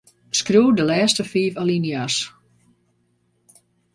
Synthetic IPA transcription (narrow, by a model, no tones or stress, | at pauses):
skruːdəlɛːstəfiːfalinjas